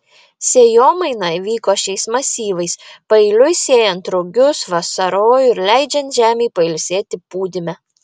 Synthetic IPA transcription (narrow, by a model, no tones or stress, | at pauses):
sʲeːjoːmɐɪnɐʋʲiːkoːʃʲɛɪsmɐsʲiːʋɐɪspɐɪlʲʊɪsʲeːjɛnt̪ɾʊɡʲʊsʋɐsɐɾoːjʊɪɾlʲɛɪd͡ʒʲɛnt̪ʲʒʲæːmʲɛɪpɐɪlʲsʲeːt̪ʲɪpuːd̪ʲɪmʲɛ